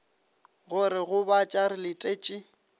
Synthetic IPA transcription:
ɣʊɾɪɣʊbat͡ʃʼaɾɪlɪtʼeːt͡ʃʼɪ

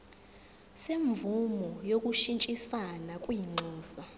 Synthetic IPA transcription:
seɱvumɔjok̬ʼuʃint͡ʃʼisanakʼwiŋ͡ǀʱɔːsa

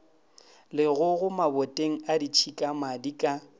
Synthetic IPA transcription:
lɪɣʊɣʊmabɔtʼeŋ̩adit͡ʃʰikʼamadikʼa

